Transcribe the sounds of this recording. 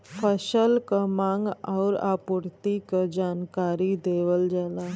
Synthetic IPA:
pʰəɕəlkəmãŋɡa̰wɾa̰puɾt̪ikəd͡ʑankaɾid̪eʋəld͡zala

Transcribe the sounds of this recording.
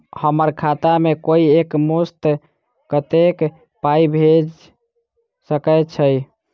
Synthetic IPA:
həməɾkʰat̪amekoiekmost̪ | kət̪ek | paibʱed͡ʒ | səkɛt͡ʃʰəj

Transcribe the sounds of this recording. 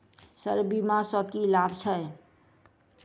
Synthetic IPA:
səɾbimasəkilabʱt͡ʃʰə

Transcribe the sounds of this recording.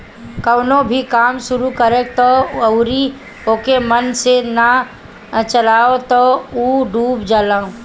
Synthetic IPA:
kəʊnõbʱikaːmsʊɾukəɾeːk̚t̪ɔɐʊɾi | oːkemənsena | t͡ʃəlaːot̪ɔuːɖuːbd͡ʒaːlaːõ

